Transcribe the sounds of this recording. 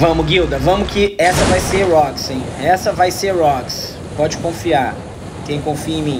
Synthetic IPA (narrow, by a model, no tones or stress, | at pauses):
vɐ̃mʊɡiwd̪ɐvɐ̃mʊkɪɛsɐvajseɾɾɔksẽj̃ɛsɐvajseɾɾɔks | pɔd͡ʒɪkõfia | kẽj̃kõfiɐẽj̃mĩ